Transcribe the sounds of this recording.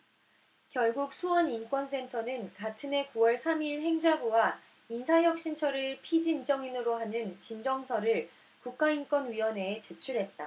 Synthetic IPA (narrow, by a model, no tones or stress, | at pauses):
kjʌɭɡuk̚sʰuwʌnink͈wʌns͈ʰe̞ntʰʌnɯnkatʰɯne̞kuwʌɭsʰamiɭhe̞ŋd͡ʑaɡuwa | insʰaɦjʌk̚ɕ͈int͡ɕʰʌɾɯɭpʰid͡ʑind͡ʑʌŋinɯɾoɦanɯnt͡ɕind͡ʑʌŋsʰʌɾɯɭ | kuk̚k͈aink͈wʌnɥiwʌne̞ːt͡ɕet͡ɕʰuɾɦe̞t̚t͈a